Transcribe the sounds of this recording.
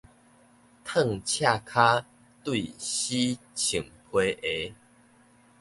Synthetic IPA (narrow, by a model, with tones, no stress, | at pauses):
t̪ʰə˥˧ŋt͡ɕʰja˥˧kʰa˦ | t̪wi˥˧˨ɕi˦ | t͡ɕʰi˨˩ŋpʰwe˧˦ʔe˨˦